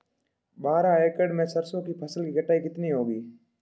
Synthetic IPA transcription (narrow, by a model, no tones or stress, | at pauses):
ɓaːɾãːeːkəɖmẽːsəɾsõːkipʰəsəlkiːɡəʈʰːaːikɪt̪niɦoːɡiː